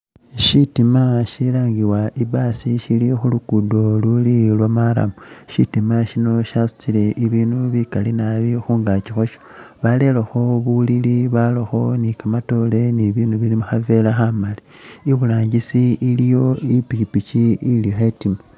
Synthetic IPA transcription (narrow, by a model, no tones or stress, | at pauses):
ʃitimaʃilaːŋɡiwaʔibasiʃilixulukudo̞lulilwamaɾa̰muʃitimaʃino̞ʃasu̥t͡sile̞ʔiβiːnuβikalinaβixuːŋɡat͡ʃixoʃoβale̞laxo̞βuliliβaloxo̞nikamato̞le̞niβiːnuβilimuxave̞laxamali | iβulaːɲɟisiilijo̞ipikipit͡ʃiilixetimo